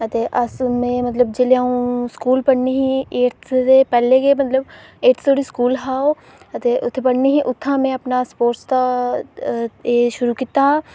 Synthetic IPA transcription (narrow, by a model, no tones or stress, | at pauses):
ət̪eːʔəsmẽːmət̪ləb̚d͡ʒeleãːũskuːlpəɽniːɦĩeːt̪ʰsepɛːlekemət̪ləbeːʈt̪ʰoːɽiskuːlɦaːoː | ət̪eːʔʊt̪ʰːepəɽniɦĩʔʊt̪ʰːãːmẽɐpnaspoːɾst̪a | eːʃʊɾuːkit̪a